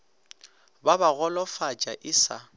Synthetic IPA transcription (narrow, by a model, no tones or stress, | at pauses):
babaɣɔlɔfat͡ʃʼaʔɪsa